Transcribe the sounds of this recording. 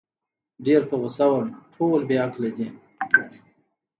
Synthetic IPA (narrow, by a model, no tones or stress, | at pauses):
ɖeɾpəɣʊsawanʈʰolbeaklad̪i